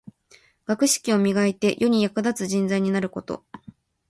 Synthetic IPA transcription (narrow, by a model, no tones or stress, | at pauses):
ɡ̥akɯ̟ɕi̥kʲio̞mʲiɡait̪e̞jʔo̞ɲ̟ijakɯ̟d̪at͡sɨʑĩnd͡zaiɲ̟inaɾɯ̟ko̞t̪o̞̰